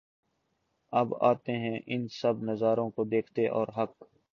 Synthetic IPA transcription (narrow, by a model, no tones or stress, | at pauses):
ɐba̰ːt̪eɦɛ̃ʔɪnsɐbnɐzaːɾõkod̪eːkʰt̪eʔɔːɾɦɐk